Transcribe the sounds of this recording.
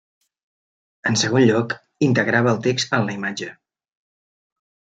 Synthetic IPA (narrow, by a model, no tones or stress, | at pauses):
ənsəɣ̞onʎɔk | int̪əɣɾaβəːlˠt̪ekst̪ənləimad͡ʒə